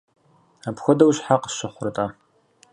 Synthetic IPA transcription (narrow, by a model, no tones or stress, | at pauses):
apxʷɔdɐwɕħaqə̥ɕɪχʷʊrɨtʼa